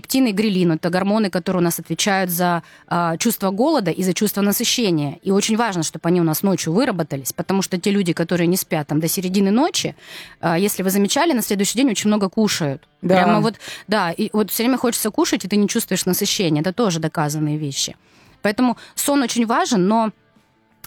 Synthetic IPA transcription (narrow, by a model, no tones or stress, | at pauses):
ptʲinɨɡɾʲɪlʲinʊɛt̪əɡɐrmo̞nɨkɐt̪oɾɨjʊnasɐt̪vʲɪt͡ɕæjʊt̪zɐ | t͡ɕust̪vəɡo̞lˠəd̪əʔizɐt͡ɕust̪vənəsɨɕːenʲɪjəio̞t͡ɕɪnʲvaʐnəʂt̪o̞bɐnʲiʊnasno̞t͡ɕjʊvɨɾəbət̪əlʲɪsʲpət̪ɐmuʂt̪otʲelʲʉdʲɪkɐt̪o̞ɾɨjənʲɪspʲat̪ːamd̪əsʲɪɾʲɪdʲinɨno̞t͡ɕɪəjesʲlʲɪvɨzəmʲɪt͡ɕælʲɪnɐsʲlʲe̞d̪ʊʏɕːɪjdʲenʲo̞t͡ɕɪnʲmno̞ɡəkuʂəjʊt̪ | d̪ɾʲaaməvo̞t̪d̪aivot̪fsʲɵvɾʲemʲəxot͡ɕɪ̥t̪səkuʂɨtʲɪt̪ɨnʲɪt͡ɕust̪vʊɪʂnəsɨɕːenʲɪəɛt̪ət̪o̞ʐɨd̪ɐkazənːɨjəvʲeɕːɪ̰ | pɐɛt̪əmʊso̞no̞t͡ɕɪnʲvaʐɨnːo̞